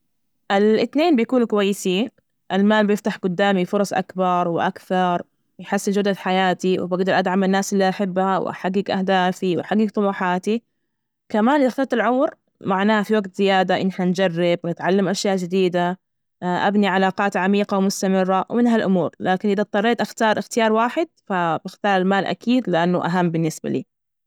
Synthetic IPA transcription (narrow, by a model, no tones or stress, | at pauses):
ʔɪlʔɪt̪neːnbɪjkuːnkʊwajːɪsiːn | ʔalmaːlbɪjɪft̪aħɡʊd̪ːaːmifʊɾˤɑsˤʔa̰kbɑɾˤwɪʔakθɑɾˤ | jħɪsːɪld͡ʒʊd̪ad̪ħajaːt̪iwɪ̰baɡd̪ɑɾˤʔad̪ʕamɪnːaːsʔɪlːiʔaħɪbːhaw̰ʔa̰ħaɡːiɡʔahd̪aːfiwʔħaɡːiɡ̚t̪ˤʊluːħaːt̪i | kamaːnʔd̪axt̪ɑt̪alʕʊwɾ | maʕnaːhafiwaɡt̪z̥ɪjaːd̪aʔɪnːħand͡ʒarːɪbwnɪt̪ʕalːamʔaʃjaːʔd͡ʒɪd̪iːd̪a | ʔa̰bniʕalaːqɑːt̪ʕamiːqawmʊst̪amɪrːawmɪnɦalʔʊmuːɾlaːkɪnʔɪðat̪ˤːɑrˤːeːt̪ʔaxt̪ɑːɾˤʔɪxt̪ɪjɑːɾˤwaːħɪd̪̚fabɪxt̪ɑːɾˤɪlmaːlʔa̰kʰiːd̪lɪʔanːʊʔaɦamːbɪnːɪsba̰lḭː